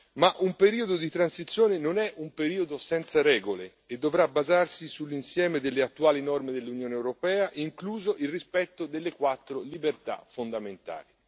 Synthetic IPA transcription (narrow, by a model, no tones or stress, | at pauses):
maʔumpeɾiːod̪od̪it̪ɾansit̪sːjoːnenonɛʔumpeɾiːod̪osɛnt̪saɾɛːɡole | ed̪ːovɾabazarsisulːinsjɛːmed̪elːeat̪ːuaːlinɔrmed̪elːunjoːneɛwɾopɛːaʔiŋkluːzoʔilrispɛt̪ːod̪elːekwat̪ːɾolibert̪a̰fond̪ament̪a̰ːli